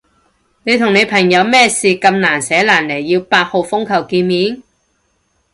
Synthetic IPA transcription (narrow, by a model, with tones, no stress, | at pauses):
ne˨˧jt̪ʰʊ˨˩ŋne˨˧jpʰɐ˨˩ŋjɐ˨˧wmɛː˥siː˨kɐ˧mnaː˨˩nsɛː˨˥laː˨˩nle˨˩jːiː˧wpaː˧t̚ho˨˧wfʊ˥ŋkʰɐ˨˩wkiː˧nmiː˨˥n